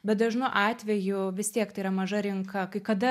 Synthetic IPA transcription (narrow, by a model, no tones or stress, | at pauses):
bʲɛt̪̚d̪ɐʒnʊʔɑːt̪ʲʋʲɛjʊʋʲɪst̪ʲiɛkt̪ɐɪiːɾɐmɐʒɐɾʲɪŋkʰɐkɐɪkɐd̪ɐ